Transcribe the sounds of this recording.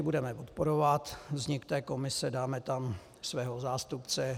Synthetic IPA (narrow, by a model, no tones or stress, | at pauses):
ɪbudɛmɛpot̪po̞ɾovat̪vzɲɪkt̪ɛːko̞mɪsɛdaːmɛt̪am | svɛːɦo̞zaːst̪upt͡sɛ